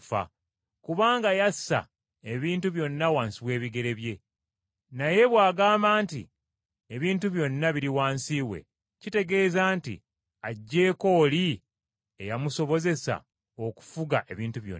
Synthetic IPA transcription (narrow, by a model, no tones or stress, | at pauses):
fa̰ | kuβaːŋɡajasa̰ | e̞βiːntuβjo̞nːawaːnsiβwe̞ːβiɡe̞ɾe̞βje̞ | naje̞βwaːɡaːmbaːntḭ | e̞βiːntuβjo̞nːaβiɾiwaːnsiːwe̞̰ | cite̞ɡe̞ːzaːntḭ | aɟːe̞ːko̞ːli | e̞jamuso̞βo̞ze̞sa̰ | o̞ku̥fuɡaʔe̞βiːntuβjo̰n